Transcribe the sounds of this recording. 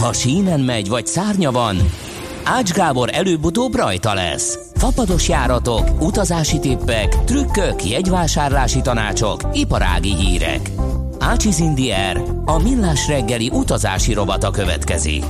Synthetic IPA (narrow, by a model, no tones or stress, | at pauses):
hɒʃiːnɛnmɛɟʋɒcsaːrɲɒvɒn | aːd͡ʒɡaːbo̞ɾɛløːbut̪oːbrɒjt̪ɒlɛ̰s | fɒpɒd̪o̞ʃjaːɾɒt̪o̞kut̪ɒzaːʃit̪eːpːɛkt̪rykːøkjɛɟʋaːʃaːrlaːʃit̪ɒna̰ːt͡ʃo̞kipɒɾa̰ːɡiɦiːɾɛ̰k | aːt͡ʃizind̪iɛr | ɒmilːaːʃrɛɡːɛliʔut̪ɒza̰ːʃiɾo̞bɒt̪ɒkøvɛ̰t̪kɛ̰zḭk